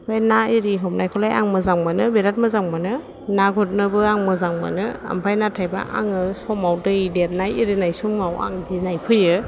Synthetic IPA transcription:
pʰajnaiɾiɦɔm̚najkʰɔlaja̰ŋmɯzaŋmanɯbeɾat̚mɯzaŋmanɯ | naɡʱut̚nɯbɯaŋmɯzaŋma̰nɯa̰mpʰajnatʰajba̰ʔa̰ŋɯsɔmawdɯjdet̚najiɾinajsɔŋmawa̰ŋdinajpʰɯjɯ

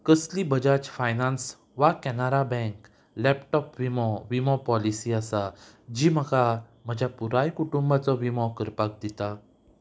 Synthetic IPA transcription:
kəslibəd͡ʑat͡ɕfajnans | ʋakɛnaɾabɛ̃ŋk | lɛpʈɔpʋimɔʋimɔpɔlisiasa | d͡ʑiːm̤əɡa | m̤əd͡ʑapuɾajkuʈumbat͡sɔʋimɔ̃kəɾpak̚d̪it̪a

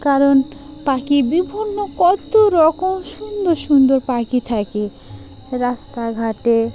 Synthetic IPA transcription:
kaɾonpakibibʱinːokɔt̪oɾɔkomʃund̪oɾʃund̪oɾpakit̪ʰake | ɾast̪aɡʱaʈe

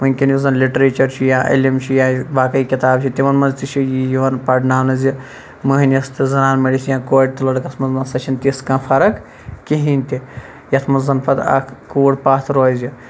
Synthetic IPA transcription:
ʋɐnʲkʲinizɐnliʈɾit͡ʃɐɾt͡ʃʰijãːʔɐ̰lʲimt͡ʃʰijabaːkɐikʲit̪aːbt͡ʃʰit̪ʲiʋɐnmɐnzt̪it͡ʃʰijijiʋɐnpɐʈnaːnɐzi | mɐɦnʲɐst̪izɐnaːnmɐɽisʲjãːkoːɖ̚t̪ɐlɐɽɐkɐsʰmɐznɐsɐt͡ʃʰinʲt̪iskãːfʰɐɾɐk | kiɦinʲt̪i | jɐt̪ʰmɐnzɐnpɐd̪ɐ̰kʰkoːɽpaːt̪ʰɾoːzi

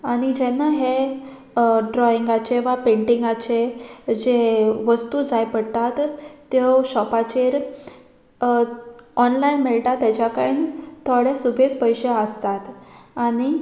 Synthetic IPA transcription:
aɽ̃id͡ʑɛnːaɦe | ɖɾɔiŋɡat͡ɕeʋapeɳʈiŋɡat͡ɕed͡ʑeʋəst̪ud͡zajpəɽt̪at̪ːeɕɔpat͡ɕeɾ | ɔnlainmeɭʈ̪at̪ːɛt͡ɕakaint̪ʰoɽesubʱet͡spəjɕeəst̪at̪aɽ̃i

